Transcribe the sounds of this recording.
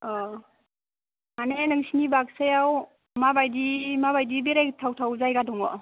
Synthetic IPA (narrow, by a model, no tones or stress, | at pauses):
ɔ | manenɯŋsinibak̚sajaw | mabajdimaβajdibeɾajktʰawtʰawzajɡadɔŋɔ